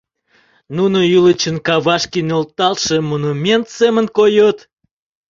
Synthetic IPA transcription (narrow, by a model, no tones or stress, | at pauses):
nunojylət͡ɕənkɑβɑʃkinolt̪ɑlˠʃəmonumʲent̪semənkojot̪